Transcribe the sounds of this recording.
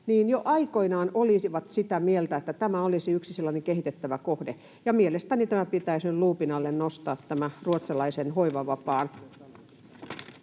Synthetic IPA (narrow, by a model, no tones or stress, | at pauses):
niːnjoʔɑikoinɑːnoliiʋɑt̪sit̪æmielt̪æet̪ːæt̪æmæolisiyksiselːɑneŋkeɦit̪et̪ːæʋækohde | jɑmielest̪ænit̪æmæpit̪æiseluːpinɑlːennost̪ɑːt̪tæmæruot̪sɑlɑisenhoiʋɑʋɑpɑːn